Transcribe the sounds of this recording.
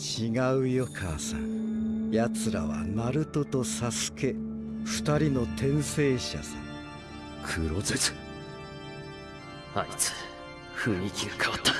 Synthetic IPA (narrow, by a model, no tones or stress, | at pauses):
t͡ɕiɡaɯ̟jokʰaːsã̰jat͡sɨɾa̰βa̰naɾɯ̟t̪o̞t̪o̞sasɨ̥ke̞ɸɯ̟̥t̪aɾʲino̞t̪ẽ̞ɰ̃se̞ːɕa̰sã̰ | kʰɯɾozet͡sɨ̥ | ait͡sɨ̥ | hɯɲʲikʲʰiɯkʰaot̪ːḁ